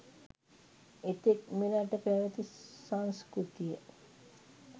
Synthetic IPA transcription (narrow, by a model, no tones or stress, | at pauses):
et̪ek̚minaʈːəpæʋət̪isanskɾut̪ijə